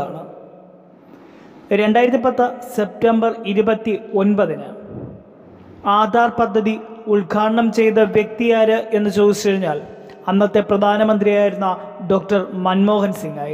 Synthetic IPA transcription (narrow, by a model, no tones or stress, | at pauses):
aːɳɨ | ɾe̞ɳɖaːjiɾɐt̪ːip̬ɐt̪ːɨse̞p̚tembɐriɾubɐt̪ːio̞nbɐðinɨ | aːd̪ʱaːrpɐd̪ʱːɐðiuɭɡʱaːʈɐɳɐmt͡ɕe̞jt̪ɨʋje̞k̚t̪ijaːɾɨʔe̞nːɨt͡ɕo̞ːðit͡ɕːɐɻiɲːaːl | ɐnːɐt̪ːe̞prɐd̪ʱaːnɐmɐnd̪rijaːjiɾunːɐ | ɖo̞ːk̚ʈɐrmɐnmo̞ːɦɐnsiŋɡaːj